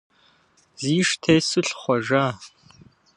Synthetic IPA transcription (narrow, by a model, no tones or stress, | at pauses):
ziːʂtʰeːsɨɬχʷɔʒaː